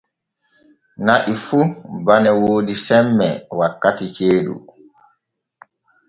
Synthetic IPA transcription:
naʔifubanɛwoːdisɛmːɛ̰wakːatit͡ʃeːɗṵ

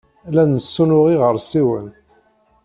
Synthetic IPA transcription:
lænːəsːunʊʁiʁəɾˤsiwə̰n

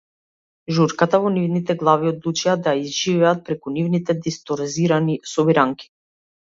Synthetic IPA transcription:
ʒuɾkat̪avɔnivnit̪ɛɡlˠaviɔd̪lˠut͡ʃɛad̪ajaizʒivɛat̪̚pɾɛkunivnit̪ɛd̪ist̪ɔɾziɾanisɔbiɾaŋki̥

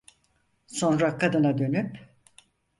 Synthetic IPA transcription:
so̞nɾakʰad̪ɯnad̪ø̞nyp

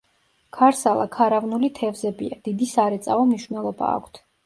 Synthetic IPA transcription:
kʰaɾsalˠakʰaɾavnulit̪ʰɛvzɛbiad̪̥id̪isaɾɛt̪sʼaɔmniʃvnɛlˠɔba̰ːkʷʰt̪ʰ

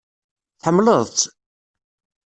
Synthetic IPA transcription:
θħəmːləðˤt͡sː

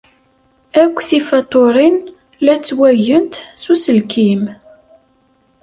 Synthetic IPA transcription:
ækʷːθifɑt̪ˤoɾˤin | læt͡sːwæʝənt̪susəlkʰim

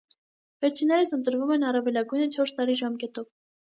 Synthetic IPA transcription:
vɛɾt͡ʃʰinːɛɾisənt̪əɾvumɛnɑrɑvɛlɑɡujnət͡ʃʰɔɾst̪ɑɾiʒɑmkɛt̪ɔv

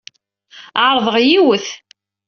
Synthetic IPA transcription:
ʕɾˤðˤəʁjiwəθ

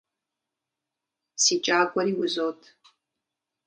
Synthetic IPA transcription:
siːt͡ʃʼaːɡʷʼɔɾiːwʊzoːtʰ

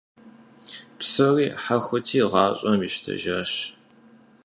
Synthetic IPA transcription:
psɐriːħaxʷʊtʰiːʁɑːɕʼɔmjɪʃtʰɐ̰ʒɐɕ

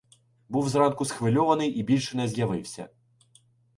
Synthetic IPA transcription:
buwzrɑnkʊsxʋɪlʲɔʋɐnɪjʔibʲilʲʃɛnɛzjɐʋɪwsʲɐ̰

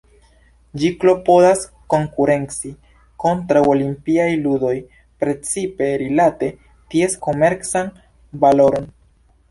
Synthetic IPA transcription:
d͡ʒiklo̞po̞das | ko̞ŋkuɾe̞nt͡si | ko̞ntɾawolimpiajludo̞j | pɾe̞t͡sipe̞ɾilate̞ | tie̞sko̞me̞ɾt͡san | valo̞ɾo̞n

